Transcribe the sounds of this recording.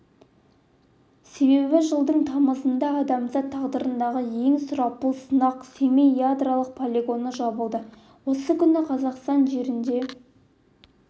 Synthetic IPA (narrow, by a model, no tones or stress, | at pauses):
se̞βe̞βɪʒəlˠd̪əɴt̪ʰɑməzənd̪ɑːd̪ɑmzɑt̪ʰːɑʁd̪əɾənd̪ɑʁəje̞ŋsʊɾɑpəlˠsənɑqsemejad̪ralˠəq̚pʰolʲeɡo̞nəʒɑbəlˠd̪ə | wo̞səkʲʰʏnɪqʰɑzɑqst̪ɑnʒe̞ɾɪnd̪e̞